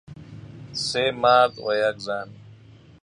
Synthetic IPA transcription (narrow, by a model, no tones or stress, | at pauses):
semaːd̪wojakzaːn